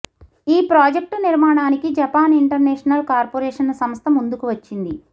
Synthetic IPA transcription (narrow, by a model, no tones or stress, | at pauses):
iːpɾaːd͡ʒek̚ʈniɾmaːɳaːnikid͡ʒɐpaːniɳʈɐɾnɛːʂɐnɐlkaːɾpoːɾɛːʂɐnsɐmst̪ʰɐmund̪ukuʋɐt͡ʃːind̪i